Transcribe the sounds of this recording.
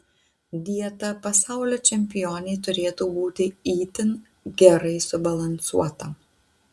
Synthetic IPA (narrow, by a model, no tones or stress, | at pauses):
d̪ʲiɛt̪ɐpɐsɑˑʊlʲoːt͡ʃʲɛmʲpʲɪjoːnʲɛɪt̪ʊɾʲeːt̪uːbuːt̪ʲɪiːt̪ʲɪn | ɡʲɛɾɐɪsʊbɐlˠɐnsṵɔt̪ɐ